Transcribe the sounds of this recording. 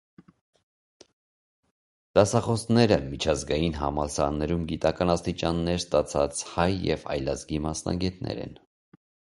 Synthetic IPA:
d̪̥ɑsɑχɔsnɛɾəmit͡ʃʰɑzɡɑjinɦɑ̰mɑlsɑnːɛɾumɡit̪ɑkɑnɑst̪it͡ʃɑnːɛɾst̪ɑt͡sʰɑt͡shɑjːɛvɑ̰jlɑzɡimɑsnɑ̰ɡɛt̪nʔɛ̰ɾɛ̰n

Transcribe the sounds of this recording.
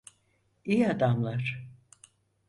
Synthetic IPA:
ijad̪amlˠaɾ̥

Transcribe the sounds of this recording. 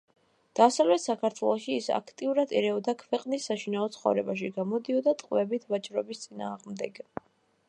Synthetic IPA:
d̪̥asavlɛt̪ʰsakʰaɾt̪ʰwɛlˠɔʃiːsa̰kʰt̪ʼiuɾad̪iɾɛɔd̪akʰvɛqʼnisːaʃinaɔt̪sʰχɔ̰vɾɛbaʃiɡamɔd̪iɔd̪at̪ʼqʼvɛbit̪ʰvat͡ʃʼɾɔbist̪sʼina̰ːʁmd̪ɛɡ̥

